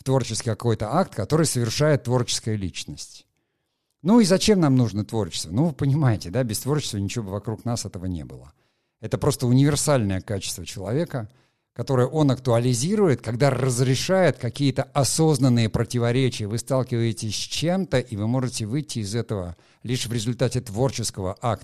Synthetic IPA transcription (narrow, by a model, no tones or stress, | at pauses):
ft̪vo̞rt͡ɕɪstkʲɪkɐko̞jt̪əʔakt̪kɐt̪o̞ɾɨjsəvʲɪrʂajɪt̪ːvo̞rt͡ɕɪ̥skəjəlʲit͡ɕnəsʲtʲ | nuizɐt͡ɕe̞mnamnuʐnət̪vo̞rt͡ɕɪ̥st̪vənuvɨpənʲɪmajɪtʲɪd̪abʲɪst̪vo̞rt͡ɕɪ̥st̪vənʲɪt͡ɕɪvʲobɨvɐkɾuknasɛt̪əvənʲḛbɨ̰lˠə̰ | ɛt̪əpɾo̞st̪əʊnʲɪvʲɪrsalʲnəjəkat͡ɕɪ̥st̪vət͡ɕɪlˠɐ̰vʲe̞kə | kɐt̪o̞ɾəjəʔo̞nɐkt̪ʊɐlʲɪzʲiɾʊjɪt̪̚kɐɡd̪arɾəzɾʲɪʂajɪt̪kɐkʲijət̪əʔɐso̞znənːɨjəpɾətʲɪvɐɾʲet͡ɕɪjəvɨst̪alˠkʲɪvəjɪtʲɪsʲsʲt͡ɕe̞mt̪əʔivɨmo̞ʐɨtʲɪvɨjtʲːɪːzɛt̪əvə̰ | lʲiʂvɾʲɪzʊlʲt̪atʲɪt̪vo̞rt͡ɕɪskəvə̰ʔak̚t̪